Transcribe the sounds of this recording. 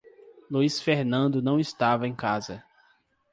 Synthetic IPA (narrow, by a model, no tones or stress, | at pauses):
luisfeɾnɐ̃nd̪ʊnɐ̃w̃ɪst̪avɐẽj̃kazɐ